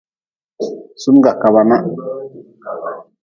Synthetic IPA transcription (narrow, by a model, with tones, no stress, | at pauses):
su˦m˦ɡa˨ka˨βa˨na˦